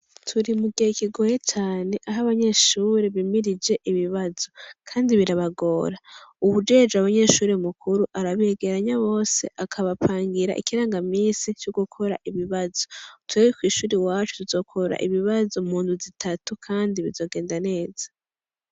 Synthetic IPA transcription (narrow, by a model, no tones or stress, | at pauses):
tʰuɾimuɡihekiɡo̞jet͡ʃaːne̞ʔaɦaβaɲe̞ʃuːɾeβimiɾid͡ʒe̞ʔiβiβazo̞kʰaːndiβiɾaβaɡo̞ːɾauβud͡ʒe̞ːd͡ʒeaβaɲe̞ʃuːɾemukʰuɾuʔaɾaβieɡe̞ɾaɲaβo̞ːse̞ʔakʰaβapʰaːŋɡiɾa̰ʔḭkiɾaːŋɡamiːsit͡ʃoɡukʰo̞ɾaʔiβiβazo̞tʰwewekwiːʃuːɾiwaːt͡ʃu̥tuzo̞ːkʰo̞ɾa̰ʔiβiβazo̞muːnduzitʰatukʰaːndiβizo̞ːɡeːndane̞ːz̥ḁ